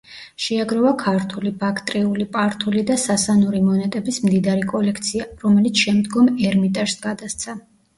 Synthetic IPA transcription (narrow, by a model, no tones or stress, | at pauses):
ʃɛaɡɾɔvakʰaɾt̪ʰulibakʰt̪ʼɾiulipʼaɾt̪ʰulid̪asasanuɾimɔnɛt̪ʼɛbismd̪id̪aɾikʼɔlɛkʰt̪sʰiaɾɔmɛlit̪sʰʃɛmd̪ɡɔmɛɾmit̪ʼɛɾsɡad̪ast̪sʰa